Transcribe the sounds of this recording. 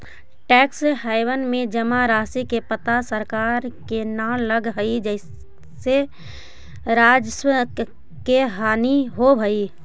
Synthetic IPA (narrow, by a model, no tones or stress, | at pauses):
ʈɛːkshaɪwənmẽd͡ʒəmaɾaːsikepət̪asəɾkaːɾkenaləɡɦəid͡ʒəɪs | se | ɾaːd͡ʒswə | keɦaːniɦobʱəi